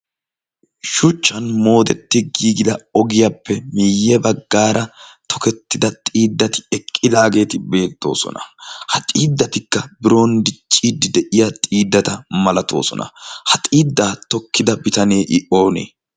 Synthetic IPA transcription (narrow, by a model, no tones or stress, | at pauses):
ʃʊt͡ʃːɐnmo̞ːd̪ɛt̪ːɪɡiːɡɪd̪ɐɔɡɪjapːɛmiːjːɛbɐɡːaːɾɐt̪ʰɔkɛt̪ːɪd̪ɐt̪ʼiːd̪ːɐt̪ɪ̥ɛkʼːɪd̪aːɡe̞ːt̪ɪbe̞ːt̪ːo̞̰ːsɔ̰nɐ̰hɐt̪ʼiːd̪ːɐt̪ɪkːɐbɪɾo̞ːnd̪ɪt͡ʃʼːiːd̪ɪd̪ɛʔɪjat̪ʼiːd̪ːɐt̪ɐmɐlɐt̪o̞̰ːsɔ̰nɐ̰hɐt̪ʼiːd̪ːaːt̪ɔkːɪd̪ɐbɪt̪ɐneːʔɪʔo̞ːnḛː